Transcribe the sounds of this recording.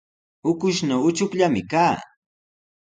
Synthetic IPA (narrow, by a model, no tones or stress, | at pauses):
ʊkʊʃnaʊt͡ʃʊkʎamɪkaː